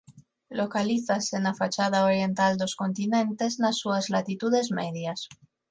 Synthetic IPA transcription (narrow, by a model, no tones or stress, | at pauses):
lokaliθasenafat͡ʃað̞aoɾje̞nt̪ald̪osko̞nt̪inẽnt̪e̞znasːuazlat̪it̪uðe̞zmḛðjas